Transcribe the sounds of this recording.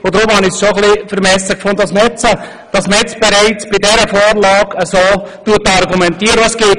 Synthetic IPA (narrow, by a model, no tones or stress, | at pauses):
ʊd̪ɾomhɑnɪçsʃoχlifəɾmɛsəkfʊnd̪ədɑsmɛt͡sə | d̥ɑsmɛt͡sb̥ɛɾæɪt͡sb̥ɪdɛɾəfoːɾlɑːɡəsoːtuətɑɾɡumɛntiːəɾəʋɑsɡ̥eː